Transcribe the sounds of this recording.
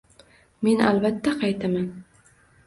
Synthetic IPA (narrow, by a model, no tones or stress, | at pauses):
me̞na̰lbat̪ʰːaqʰɑjt̪ʰaman